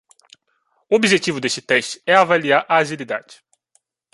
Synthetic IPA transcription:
ʊobiʒet͡ʃivʊd̪eʃt͡ʃɪ̥t̪ɛʃt͡ʃɪ̥ɛavaliaɾʔaːʒilid̪a̰d͡ʒɪ̥

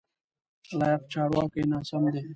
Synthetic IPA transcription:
laːjɐft͡ɕʰaːɽwaːkenaːsɐmd̪eː

